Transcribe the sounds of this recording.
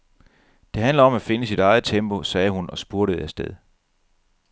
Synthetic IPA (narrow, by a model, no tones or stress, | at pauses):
d̥e̝ɦænlɐɒ̽mæfe̝nəsiɾ̥ɑ̈ɪð̩ˠt͡sʰemb̥o̝sɛːhunɒ̽sb̥uɐɾəð̩ˠæsd̥eðˠ